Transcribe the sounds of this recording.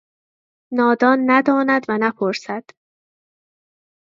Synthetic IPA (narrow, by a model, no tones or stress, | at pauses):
nɒːd̪ɒːnːæd̪ɒːnæd̪vænæpʰoɾsæd̪̥